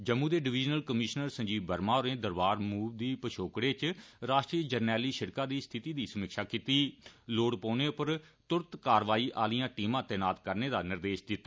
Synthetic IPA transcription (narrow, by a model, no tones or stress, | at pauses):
d͡ʒəmːũːd̪eːɖɪʋɪd͡ʒnəlkəmɪʃnəɾsə̃ɲd͡ʒiːbbəɾmãːoɾẽːd̪əɾbaːɾmuːʋd̪iːpəʃʰoːkɽeːt͡ʃɾaːʃʈɾiːəd͡ʒəɾnɛːliːʃɪɽkãːd̪iːst̪ʰɪt̪iːd̪iːsəməkʃaːkiːt̪iːloːɽpoːneːʊpəɾt̪ʊɾt̪kaːɾʋaːiːʔaːlijãːʈiːmãːt̪ɛːnaːt̪kəɾneːd̪aːnɪɾd̪eːʃd̪ɪt̪ːaː